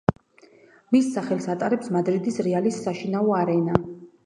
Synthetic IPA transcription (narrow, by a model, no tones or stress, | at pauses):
misːaχɛlˠsat̪ʼaɾɛpsmad̪ɾid̪isɾɛalisːaʃinaɔaɾɛna